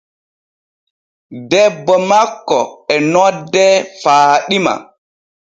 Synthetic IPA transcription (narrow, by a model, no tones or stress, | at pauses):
dɛbːɔmakːɔɛnɔdːɛfaːɗima̰